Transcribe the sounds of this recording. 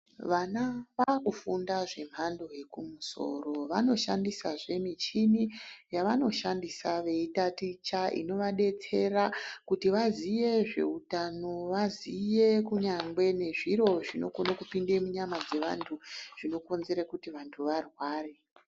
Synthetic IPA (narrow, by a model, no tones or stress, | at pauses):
ʋanaʋakufundaʐe̞m̤ando̞je̞kumuso̞̰ro̞ʋano̞ʃa̰ndisaʐe̞mit͡ʃinijaʋano̞ʃandisaʋe̞itatit͡ʃaʔḭno̞ʋaɗe̞t͡se̞rakutiʋazije̞ʐe̞̰utano̞ʋazije̞kuɲaŋɡwe̞ne̞ʐiro̞ʐino̞̰konakupindemuɲamad͡ze̞ʋa̰ntʰuʐ̥ino̞ko̞nze̞ɾakutiʋantʰuʋarwaːre